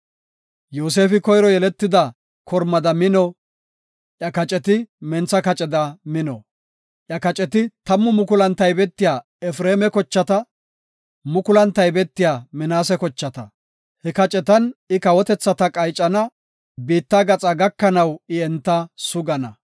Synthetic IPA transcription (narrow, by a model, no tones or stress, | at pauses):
joːs̬e̞ːfɪkɔjɾɔjɛlɛt̪ːɪd̪ɐ | kʰɔɾmɐd̪ɐmɪnɔ | ʔjɐkɐt͡ʃʼɛt̪ɪmɛnt͡sːɐkɐt͡ʃʼɛd̪ɐmɪnɔ | ʔjɐkɐt͡ʃʼɛt̪ɪt̪ɐmːʊmʊkʊlɐnt̪ːɐjbɛt̪ːɪjaː | ɛfɾeːmɛkɔt͡ʃːɐt̪ɐ | mʊkʊlɐnt̪ːɐjbɛt̪ːɪjaːmɪnaːsɛkɔt͡ʃːɐt̪ɐ | hɛkɐt͡ʃʼɛt̪ɐnɪkɐwɔt̪ɛt͡sːɐt̪ɐkʼɐjt͡ʃʼːɐnɐ | biːt̪ːaːɡɐt͡sʼɐɡɐkːɐnɐwɪɛnt̪ːɐsʊɡɐnɐ